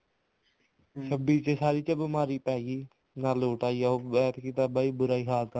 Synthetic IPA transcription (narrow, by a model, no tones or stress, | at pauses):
səbiːt͡ʃesaːɾiːt͡ʃəbəmaːɾiːpɛːɡiː | naːloːʈaːijaːobɛːt̪kiːt̪aːbaːiːbʊɾaːiːɦaːlk̪a